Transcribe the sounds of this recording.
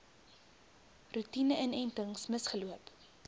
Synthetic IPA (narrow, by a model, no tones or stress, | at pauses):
rutinəʔənɛntəŋsməsχəluəp